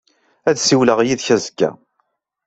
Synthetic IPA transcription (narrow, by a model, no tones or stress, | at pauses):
æðsiwləʁjiðçæzəɡːæ̰